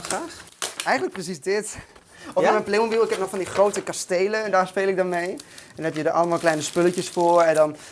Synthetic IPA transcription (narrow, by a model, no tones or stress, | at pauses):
raːχʔɛjχən̩ləkprəs̬isdɪt | ɔfmɛplemombilˠɪkɦɛp̚nɔχfɑndiχrowtəkastejləɛndaːɹspeːlˠɪk̚dɔnmejɛnnɦɛpjədəʔɑ̰ləmaːlˠklɛjnəspøləcəsfʊːɹɛndɔn